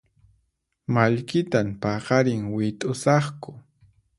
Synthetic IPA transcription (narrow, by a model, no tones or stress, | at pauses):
maʎkɪt̪ampɑɢɑɾɪŋwɪt̪ʼʊsɑχkʊ